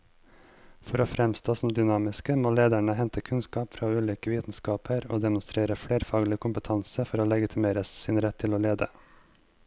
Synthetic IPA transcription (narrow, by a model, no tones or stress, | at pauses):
fɔɾoːfɾɛmst̪ʰoːsɔm̩d̪ʏnɑːmɪskəmoːleːd̪æɳəhɛnt̪ʰəkʰʉnskɑːpfɾɑːʉːlʏːkəʋiːt̪n̩skɑːpʰəɾo̰ːd̪ɛmʊnst̪ɾeːɾəfɽeːɾfɑːɡlɪkʰʊmpət̪ʰɑnsəfɔɾoːlɛɡɪt̪ʰɪmeːɾəssɪnɾɛt̪ʰːɪloːleːd̪ə̰